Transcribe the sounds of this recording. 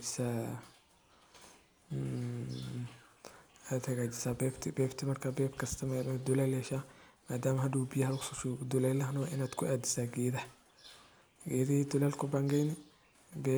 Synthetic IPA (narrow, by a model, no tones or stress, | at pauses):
d͡ʒɪ̥saː | ad̪hɐɣaːd͡ʒɪsaːbɛːbt̪ʰɪbɛːbt̪ʰɪmɐrkʰaːbɛːbkʰɐst̪ʰɐmamɐd̪ʊlɛlɛʃaːmaːd̪aːmɐɦɐd̪uːbijɐhɐlksɔʃud̪ʊlɛlɐɦnɔʔɪnaːd̪kʰʊʔaːd̪ɪsaːɡɛːðɐ | ɡɛːðid̪ʊlɛːlkʰʊbaŋɡɛjnɪ | bɛː